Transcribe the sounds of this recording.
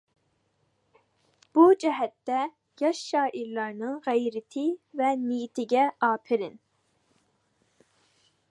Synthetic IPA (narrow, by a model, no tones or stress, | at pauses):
b̥ud͡ʒɛɦɛt̪ːɛ | jɑʃːɑːʔiɾlˠɑɾnɨŋʁɛjɾɪt̪ʰɪvɛnijit̪ʰɪɡʲɛɑːpʰɪɾɪn